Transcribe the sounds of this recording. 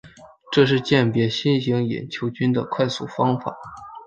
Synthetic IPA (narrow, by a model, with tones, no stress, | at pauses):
ʈ͡ʂɤ˥˧ʂ̬ɻ̩˥˧t͡ɕjɛ˥˩npjɛ˧˥ɕi˥nɕi˧˥ŋjɛ̰˨˩nt͡ɕʰjo˧˥ʊt͡ɕy˥nd̪ə̰˨kʰwa˥˧ɪsu˥˩fɑ˥ŋfa̰˨˩˦